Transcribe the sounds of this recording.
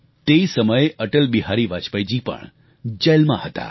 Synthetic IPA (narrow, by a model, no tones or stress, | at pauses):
t̪eisəməjeʔəʈəlbiɦaɾiʋat͡ʃpəjd͡ʒipə̰ɳ | d͡ʒəlmã̰hət̪a̰